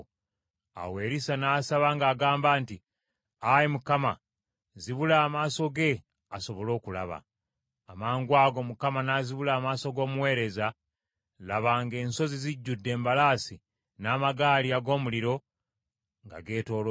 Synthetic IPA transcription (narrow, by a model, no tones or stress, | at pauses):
a̰we̞ːɾisanaːsaβaŋɡaːɡaːmbaːnti | ajimukama | ziβulaːmaːso̞ɡe̞ | aso̞βo̞lo̞ːkula̰βa̰ː | maːŋɡwaːɡo̞mukamanaːziβulaːmaːso̞ɡo̞ːmuwe̞ːɾe̞za | laβaːŋɡe̞ːnso̞ziziɟːudːe̞ːmbalaːsi | naːmaɡaːliaɡo̞ːmuliɾo̞ | ŋɡa̰ɡe̞ːto̞ːlo